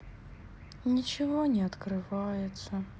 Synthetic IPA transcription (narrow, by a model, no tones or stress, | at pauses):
nʲit͡ɕɪvonʲɛɐt̪kɾɨvajɪt̪sə